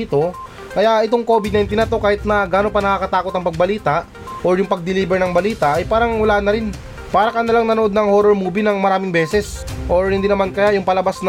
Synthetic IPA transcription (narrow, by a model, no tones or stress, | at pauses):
t̪o̞ | kɐjaʔɪt̪oŋko̞ːbɪd̪nɐjnt̪inɐt̪o̞kaːhɪt̪̚nɐɡaːno̞pɐnɐkakɐt̪aːko̞t̪ɐŋpɐɡ̚bɐliːt̪ɐʔ | ʔoɾjʊŋpɐɡ̚d̪ɪliːbɛɾnɐŋbɐliːt̪ɐʔɐjpaːɾɐŋwɐlaːnɐɾɪn | paːɾɐkɐnɐlaŋnɐnoʔo̞d̪nɐŋhoːɾoɾmuːbinɐŋmɐɾaːmɪŋbɛːsɛsʔoɹhɪnd̪inɐmankɐjajʊŋpɐlɐbasn